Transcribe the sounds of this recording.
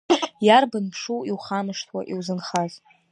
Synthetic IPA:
jarbɨnpʰʂuiwχamɨʂtʰwa̰ʔiwzɨnχaz

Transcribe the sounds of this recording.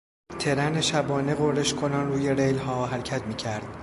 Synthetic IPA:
t̪ʰe̞ɾæne̞ʃæbɒːne̞ɣoɾeʃkʰo̞nɒnruːje̞ɾejlɦɒːɦæɾcʰæt̪miːcʰæɾd̪̥

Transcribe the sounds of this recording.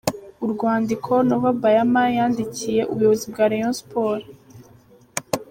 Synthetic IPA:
uɾɡwaːndikʰo̞noβabajamajaːndicije̞ʔṵβujoβozibɡaːɾejonspʰoːɾa

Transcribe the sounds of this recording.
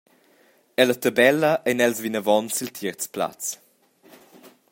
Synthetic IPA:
ɛlət̪əbɛləʔɛnɛlsvinəvɔnsilt̪ʰəɾt͡spla̰t͡s

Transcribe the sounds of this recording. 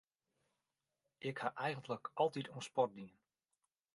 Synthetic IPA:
ʔɪkhaʔɛjɣəntləkɑlˠtitnspɔrt̚diən

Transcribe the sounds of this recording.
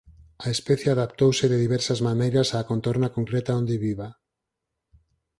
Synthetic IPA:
aespɛθjeaðapt̪owsɪðeðiβɛɾsazmanejɾasaːkont̪oɾnakoŋkɾɛt̪aond̪eβiβa

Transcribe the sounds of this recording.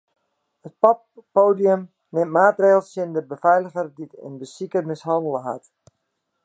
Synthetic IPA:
ət̚pɔpːoːdiəm | nɪmmaːtreːlˠsɪndəbəfɛjləɣərditə̰nbəsikəmɪsɦɑndəlˠəɦa̰t

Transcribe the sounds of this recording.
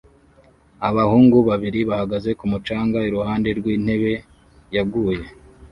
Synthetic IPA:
aβahuːŋɡuβaβiɾiβahaɡaze̞kumut͡ʃaːŋɡaiɾuhaːnde̞ɾɡwiːn̥he̞βe̞ | jabɡuːje̞

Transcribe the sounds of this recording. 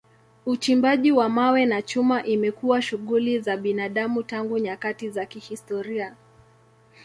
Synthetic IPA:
ut͡ʃimbaʄiwamawɛnat͡ʃumaʔimɛkuwaʃuɠulizaɓinaɗamutaŋɡuɲakatizakihistɔɾia

